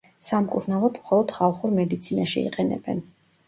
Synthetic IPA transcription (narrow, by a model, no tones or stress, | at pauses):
samkʼuɾnalˠɔd̪mχɔlˠɔd̪̥χalˠχuɾmɛd̪it̪sʰinaʃiḭqʼɛnɛ̰bɛ̰n